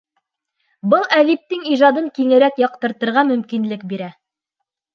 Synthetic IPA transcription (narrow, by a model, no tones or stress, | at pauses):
bɤlˠælip̚t̪ɘŋiʒɑd̪ɤŋkiŋɘ̆ɾækjɑqt̪ɤ̆ɾt̪ɤ̆ɾʁɑmɵ̆mkinlɘk̚biɾæ